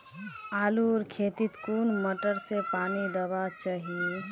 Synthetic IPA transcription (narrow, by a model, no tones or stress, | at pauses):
aːluɾkʰet̪it̪kunməʈəɾsepaːnid̪əbat͡ʃaɦi